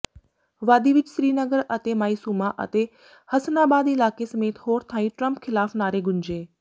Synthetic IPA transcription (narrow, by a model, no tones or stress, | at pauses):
ʋaːd̪iːʋɪt͡ʃsɾiːnəɡəɾət̪emaːiːsuːmaʔɐ̰t̪e | hɐsnaːbaːd̪ɪlaːkesɐmeːt̪hoːɾt̪ʰãːĩʈɾəmpkʰɪlaːfnaːɾeɡʱʊɲd͡ʒeː